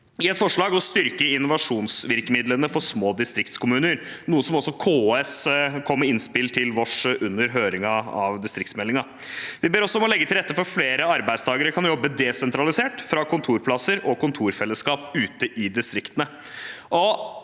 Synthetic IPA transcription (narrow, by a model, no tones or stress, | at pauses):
ɪɛt̪fɔʂɭɑːɡɔst̪ʏɾkəɪnːʊʋɑʂuːnsʋɪɾkəmɪd̪lənəfɔsmoːd̪ɪst̪ɾɪkt̪skʰʊmʉːnəɾ | nuːəsɔmɔsːɔkʰoːɛskʰɔmːəɪnspɪlt̪ʰɪlʋɔʂʔʉnːəɾɦøːɾɪŋɑɑ̰ʋd̪ɪst̪ɾɪk̚t̪smɛlːɪŋɑ | ʋɪbeːɾɔsːɔɔmɔlɛɡːət̪ʰɪlɾɛt̪ːəfɔɾfleːɾəɑɾbæɪst̪ʰɑːɡəɾəkʰɑnjɔbːəd̪ɛsɛnt̪ʰɾɑlɪseːʈfɾɑkʰʊnt̪ʰuːɾpʰlɑsəɾɔkʊnt̪ʰuːɾfɛlːəskɑːpʉːt̪əʔɪd̪ɪst̪ɾɪkt̪ənə | ʔɔ